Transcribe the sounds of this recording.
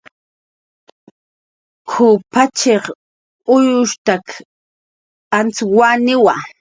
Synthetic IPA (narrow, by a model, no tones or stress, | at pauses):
kʰʊpat͡ʃeχ | ʊjʊʃt̪ak | ant͡swanɪwa